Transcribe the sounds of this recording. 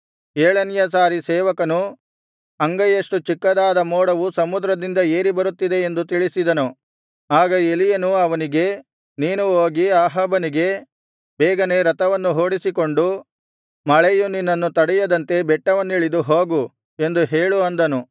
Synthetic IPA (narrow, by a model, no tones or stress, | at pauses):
eːɭɐnjɐsaːɾisɛːʋɐkɐnu | ɐŋɡɐjɐʂʈut͡ʃikːɐd̪aːd̪ɐmoːɽɐʋusɐmud̪ɾɐd̪ind̪ɐeːɾibɐɾut̪ːid̪e̞end̪ut̪iɭisid̪ɐnu | aːɡɐe̞lijɐnuɐʋɐniɡe̞ | niːnuoːɡiaːɦɐbɐniɡe̞ | bɛːɡɐne̞ɾɐt̪ɐʋɐnːuɦo̞ːɽisiko̞ɳɖu | mɐɭɐjuninːɐnːut̪ɐɽɛjɐd̪ɐnt̪e̞bɛʈːɐʋɐnːiɭid̪uɦoːɡu | e̞nd̪uɦeːɭuɐnd̪ɐnu